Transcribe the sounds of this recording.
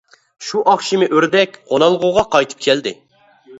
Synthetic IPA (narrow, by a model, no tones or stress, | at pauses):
ʃuʔɑχʃimɪʔøɾd̪ɛk̚ʲqʰonɑlˠʁuʁɑqʰɑjt̪ʰɨ̥p̚kʲʰɛld̪ɪ